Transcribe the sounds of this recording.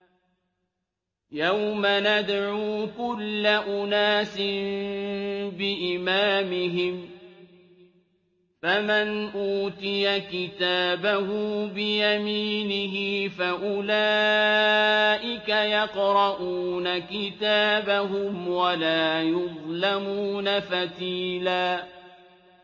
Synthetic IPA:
jawmanad̪ʕuːkʊlːaʔʊnaːsɪ | bɪʔɪmaːmɪɦɪm | famɪnʔuːt̪ɪjakɪt̪aːbahʊbɪjamiːnɪɦɪfaʔʊlaː | ʔɪkajɑqɾɑʔuːnakɪt̪aːbaɦʊmwalaːjʊðˤlamuːnafat̪iːlaː

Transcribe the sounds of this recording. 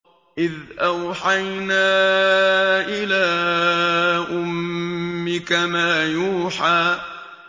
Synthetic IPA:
ʔɪðʔawħajnaː | ʔɪlaː | ʔʊmː | ɪkamaːjuːħaː

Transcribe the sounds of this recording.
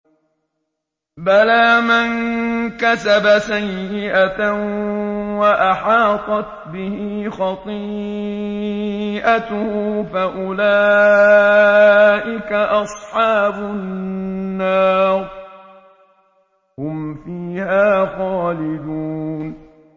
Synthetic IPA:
balaːmankasabasajːɪʔaa | waʔaħɑːt̪ˤɑt̪bɪhiːxɑt̪ˤiː | ʔat̪ʊhufaʔʊlaː | ʔɪkaʔɑsˤħɑːbʊ | nːɑːɾˤ | hʊmfiːhaːxɑːlɪd̪uːn

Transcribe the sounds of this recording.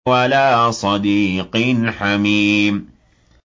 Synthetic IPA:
walaːsˤɑd̪iːqɪnħamiːm

